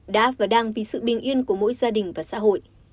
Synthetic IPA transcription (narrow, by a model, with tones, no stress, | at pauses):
ɗa̰ː˧˥vaː˨˩ɗaː˧˩ŋvi˨˩sɨ̰˧˨ɓï˨˩ŋ̟ʔi˧ənku˧˩əmo̰˧˥jzaː˧ɗï˨˩ŋ̟vaː˨˩sa̰ː˧˥ɦo̰˧˨j